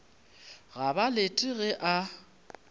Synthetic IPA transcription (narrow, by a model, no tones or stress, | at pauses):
ɣabaletʼɪɣɛʔa